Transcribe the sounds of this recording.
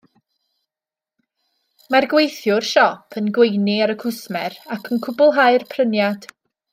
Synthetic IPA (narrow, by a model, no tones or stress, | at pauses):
marɡwejθjʊrʃɔpʰənɡwejniaɾəkʰʊsmɛrakʰənkʰʊbʊlˠɦaɨrpʰrənjad̥